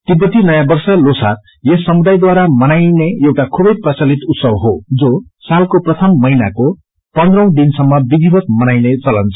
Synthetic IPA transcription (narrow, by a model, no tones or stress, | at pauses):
t̪ipʌt̪inʌjabʌrsʌlosa̰r | jesʌmud̪ajd̪waɾamʌnajneewʈakʰubʌjprʌt͡sʌlit̪ut̪sʌbɦod͡zosalkoprʌt̪ʰʌmːʌjnako | pʌnd̪rʌ̃w̃d̪insʌmːʌbid̪ʱibʱʌt̪mʌnajnet͡sʌlʌnt͡sʌ